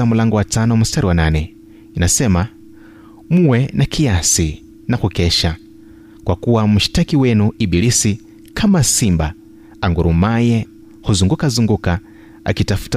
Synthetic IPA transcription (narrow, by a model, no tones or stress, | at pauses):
amulaŋɡɔwatʰanɔwamustaɾiwanaːnɛ | inasɛma | muwɛnakʰijasi | nakukɛʃa | kwakuwamuʃi̥takiwɛnuiɓilisi | kʰamasimba | aŋɡuɾumajɛ | huzuŋɡukazuŋɡuka | a̰kitafu̥ta